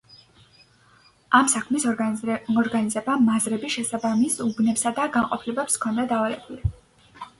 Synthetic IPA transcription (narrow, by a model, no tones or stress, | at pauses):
amsakʰmis | ɔɾɡanizɛbamazɾɛbiʃɛsabamisubnɛpsad̪aɡaŋqʼɔpʰilɛbɛpskʰɔnd̪ad̪aːvalɛbuli